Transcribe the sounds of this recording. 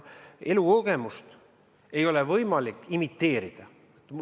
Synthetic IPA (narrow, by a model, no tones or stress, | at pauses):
e̞luoɡ̥emust̪ | e̞jo̞levɤjmɑlikːˑimit̪ːe̞ːɾid̪̥ɑ | t̪ːm